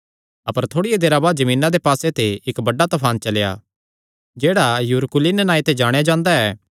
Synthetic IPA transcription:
ɐpəɾt̪ʰoːɽijed̪eːɾabaːd͡ʒɐmĩːnad̪epaːset̪eɪkbɐɖːat̪ɐpʰaːnt͡ʃɐlja̰ | d͡ʒeːɽajʊɾkʊliːnnaːit̪ed͡ʒaːɽ̃jad͡ʒãːnd̪aɛː

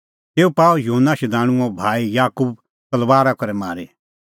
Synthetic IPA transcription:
t̪eːupaːjuɦənːaʃɛd̪aːɽ̃ʊ̃ɔ̃bʱaːijaːkuːb̚ | t̪ɐlʋaːɾakɔɾɛmaːɾi

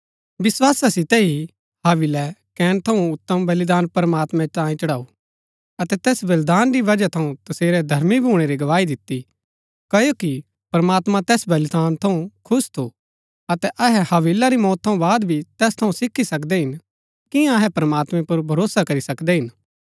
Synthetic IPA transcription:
ʋɪswaːsasɪt̪ɛi | haːʋɪlɛkɛːnt̪ʰɐũʊt̪ːəmbɐlid̪aːnpɐɾmaːt̪mɛ̃t̪ãːjĩt͡ʃɐɽaːu | ɐt̪ɛt̪ɛːsbɐld̪aːnɾiʋɐd͡ʒat̪ʰɐũt̪ɐseːɾɛd̪ʱɐɾmibʱuːɽ̃eɾiɡɐʋaːid̪ɪt̪ːi | kɐjoki | pɐɾɐmaːt̪mãt̪ɛːsbɐld̪aːnt̪ʰɐũkʰʊst̪ʰu | ɐt̪ɛʔɐɦɛhɐʋilaɾimɔːt̪ʰːɐ̃ũbaːd̪bʱit̪ɛːst̪ʰɐũsɪkʰːisɐkd̪ɛɦɪn | kɪjãɐɦɛpɾmaːt̪mɛ̃pɐɾbʱɐɾoːsakɐɾisɐkd̪ɛɦɪn

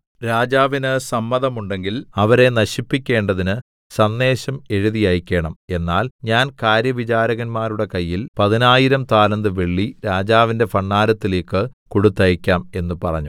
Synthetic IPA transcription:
ɾaːd͡ʑaːʋinɨsɐmːɐðɐmuɳɖe̞ŋɡilɐʋɐɾe̞nɐɕipːikʲːe̞ːɳɖɐðinɨ | sɐnːe̞ːɕɐme̞ɻuðijaːjkʲːe̞ːɳɐme̞nːaːlɲaːnkaːɾjɐʋit͡ɕaːɾɐɣɐnmaːɾuɽe̞kɐjːilpɐðinaːjiɾɐmt̪aːlɐnd̪ɨʋeɭːiɾaːd͡ʑaːʋinde̞fɐɳːaːɾɐt̪ːileːkːɨkuɽut̪ːɐjikʲːaːme̞nːɨpɐrɐ̰ɲːu

